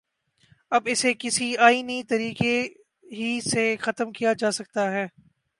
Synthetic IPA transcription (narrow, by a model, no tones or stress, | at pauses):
ɐbɪsekɪsiaːinit̪ɐɾiːke | ɦisexɐt̪əmkijad͡ʒaːsɐk̚t̪aɦɛː